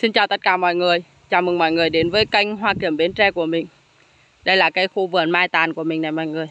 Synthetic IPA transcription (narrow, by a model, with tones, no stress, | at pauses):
si˧nt͡ɕaː˨˩wt̪ə˦˥t̚kaː˧˩mɔ̰˧˨jŋɨ˨˩əj | t͡ɕaː˨˩mɨ˨˩ŋmɔ̰˧˨jŋɨ˨˩əjɗe˨˦nvəː˨˦jka˧jŋ̟ɦwaː˧ki˧˩əmɓi˨˦nt͡ɕɛ˧ku˧˩əmï˨˩ŋ̟ | ɗə˧jlaː˨˩kaː˨˦jxu˧vɨ˧˩ənmaː˧jt̪aː˨˩nku˧˩əmï˨˩ŋ̟na˨˩jmɔ̰˧˨jŋɨ˨˩əj